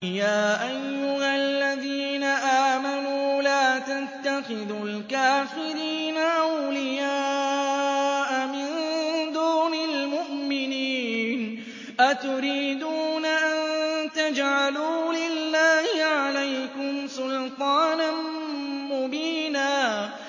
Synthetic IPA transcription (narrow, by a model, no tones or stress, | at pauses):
jaːʔajːʊhalːaðiːnaʔaːmanuːlaːt̪at̪ːaxɪðʊlkaːfɪɾiːnaʔawlɪjaː | ʔamɪnd̪uːnalmʊʔmɪniːn | ʔat̪ʊɾiːd̪uːnaʔant̪ad͡ʒʕaluːlɪlːaːhɪʕalajkʊmsʊlt̪ˤɑːnanmʊbiːnaː